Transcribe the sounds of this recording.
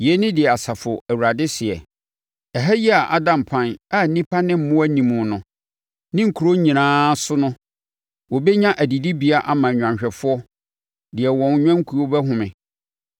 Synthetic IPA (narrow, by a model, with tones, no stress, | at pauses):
je˨˦nɪ̃˦dɪ˨ɛ˨a˨sa˨fʊ˨æ˨wu˨ɾa˨dɪ˦sɪ˨ɛ̰˨ | ɛ˨ɦæ˦ji˦a˨ʔa˦dã˨m̩˨pʰã˦na˦˨n̩˦nĩ˦pʰa˦nɪ̃˦m̩˦mʊ̃˦æ˦nĩ˨mũ˨nʊ̃˨ | nɪ̃˦ŋ̩˨kʰu˨ɾo˦ɲĩ˨nãː˦sʊ˦nʊ̃˦ | wɔ˨bɛ˦ɲã˦ʔæ˨di˨di˦bi˨˦a˦ʔa˨mã˨ɲᶣ˨ã˨ɲɕᶣɛ˨fʊ˦ɔ˦ | dɪ˨ɛ˨wɔ̃˨n˦ɲᶣã˦ŋ̩˦kʰu˨o˦bɛ˦ɦʊ̃˨mɪ̃˨